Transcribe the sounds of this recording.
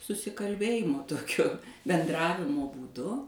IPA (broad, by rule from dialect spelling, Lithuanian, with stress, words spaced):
sʊsʲɪkɐlʲˈbʲeːjɪmoː ˈtoːkʲoː bʲɛnˈdrɑːʋʲɪmoː buːˈdʊ